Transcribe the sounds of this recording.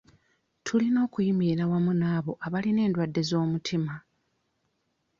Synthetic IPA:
tʰulino̞ːkujimiɾawamunaːβo̞ʔaβaline̞ːndwadːe̞zo̞ːmutʰima

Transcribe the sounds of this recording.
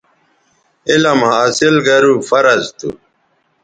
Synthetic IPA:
elɐmhaːsilɡɐɾufɐɾɐzt̪ṵ

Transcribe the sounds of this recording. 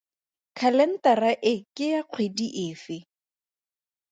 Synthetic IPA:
kʰalɛn̩taraʔɪkʼɪjaq͡χʰwediʔɪːfɪ

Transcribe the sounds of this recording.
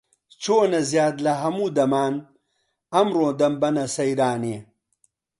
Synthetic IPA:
t͡ʃoːnɐzjaːd̪lɐɦɐmuːd̪ɐmaːn | ɐmɾõːd̪ɐmbɐnɐsɐjɾaːneː

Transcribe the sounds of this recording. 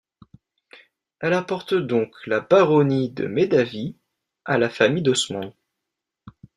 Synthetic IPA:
ɛlapɔʁt̪d̪ɔ̃klabaʁɔnid̪ə̰med̪avi | alafamijd̪ɔsmɑ̃n

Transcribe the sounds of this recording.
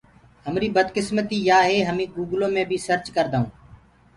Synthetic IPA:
ɦəmɾiːbəd̪kɪsmət̪iːjaːɦeːɦəmĩːɡuːɡlõːmẽːbʱiːsəɾt͡ʃkəɾd̪aːũː

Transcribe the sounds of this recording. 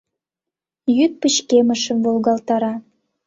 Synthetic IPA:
jyt̪̚pət͡ɕkeməʃə̆mvolɣɑlt̪ɑɾɑ

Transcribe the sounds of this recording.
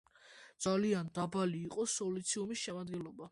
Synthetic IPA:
dd̪z̥aliand̪abaliːqʼɔsɔlit̪sʰiumisʃɛmad̪ɡɛnlɔba

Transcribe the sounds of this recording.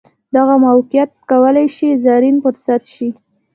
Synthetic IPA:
d̪aɣamawqjat̪̚kawəlajʃizaɾinfʊɾsat̪ʃi

